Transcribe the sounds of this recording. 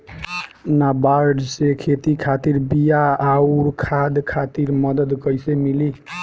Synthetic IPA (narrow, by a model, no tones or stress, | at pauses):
nabaɾɖsekʰet̪ikʰat̪iɾbijaːuɾkʰad̪kʰat̪iɾməd̪əd̪kəjsemili